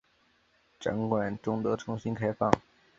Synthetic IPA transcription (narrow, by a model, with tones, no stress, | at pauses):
ʈ͡ʂɤ̰˧˥ŋkwa˨˩nʈ͡ʂʊ˥ŋt̪ɤ˧˥ʈ͡ʂʰʊ˧˥ŋɕi˥nkʰa˥ɪfɑ̰˥˩ŋ